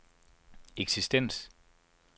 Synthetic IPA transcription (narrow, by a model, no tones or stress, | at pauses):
eɡ̥sisd̥en̰s